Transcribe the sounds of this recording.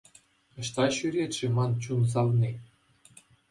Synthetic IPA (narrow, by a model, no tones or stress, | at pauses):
ɤ̆ɕt̪ɑɕyɾʲet̪ʲʃĕmɑnt͡ɕuns̬ɑlne